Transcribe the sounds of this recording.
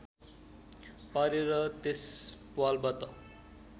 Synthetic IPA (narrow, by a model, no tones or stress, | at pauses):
paɾeɾʌt̪espuwalbat̪ʌ